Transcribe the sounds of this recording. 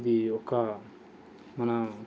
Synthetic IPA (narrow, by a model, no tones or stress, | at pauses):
d̪iokːa | mana